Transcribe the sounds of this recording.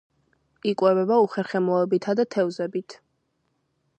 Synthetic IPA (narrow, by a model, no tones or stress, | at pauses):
ikʼwɛvɛbauχɛɾχɛmɔɛbit̪ʰad̪at̪ʰɛvzɛbit̪ʰ